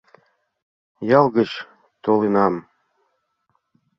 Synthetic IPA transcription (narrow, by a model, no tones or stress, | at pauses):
jɑlˠɡə̆t͡ɕ | t̪olenɑm